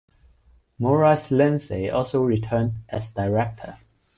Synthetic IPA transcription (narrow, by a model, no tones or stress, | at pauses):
mɔɹaslɛ̃nseʔɔlˠsoʊɹitʰɜːndʔæzdaɪɹɛk̚tʰə̰